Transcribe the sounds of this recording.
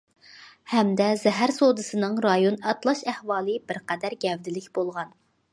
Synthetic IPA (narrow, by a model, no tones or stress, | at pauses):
hɛmd̪ɛzɛɦæɾsod̪ɨsɨnɨŋɾɑjonɑt̪lˠɑʃɛhwɑːlˠɨbɪɾqɛd̪æɾɡʲɛvd̪ɪlɪkʲb̥olˠʁɑn